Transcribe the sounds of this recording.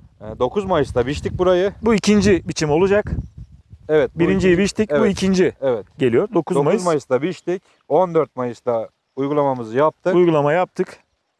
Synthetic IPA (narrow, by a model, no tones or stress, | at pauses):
ɛːd̪o̞kʰuzmajɯsd̪abiʃt̪ic̚buɾajɯbuicʰind͡ʒibit͡ʃʰimolˠud͡ʒak | ɛvɛt̪̚biɾɾind͡ʒijibiʃt̪ic̚ɛbuicʰind͡ʒiɛvɛt̪ɟe̞lijo̞ɾd̪o̞kʰuzmajɯzzmajɯst̪abiʃt̪ic | o̞nd̪øɾt̪̚majɯsd̪a | ujɡulˠamamɯzɯjap̚t̪ʰɯujɡulˠamajap̚t̪ʰɯk